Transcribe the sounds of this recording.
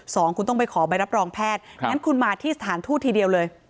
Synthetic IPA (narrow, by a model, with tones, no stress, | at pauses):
sɔː˩˦ŋkʰu˧nt̪ɔ˥˩ŋp̬a˧jkʰɔː˩˦ba˧jɾa˦˥p̚ɾɔː˧ŋpʰɛː˥˩t̪̚a˦˥nkʰu˧nmaː˧t̪ʰiː˥˩sa˧˩t̪ʰaː˩˦nt̪ʰuː˥˩t̪ʰːiː˧di˧əwlɤː˧j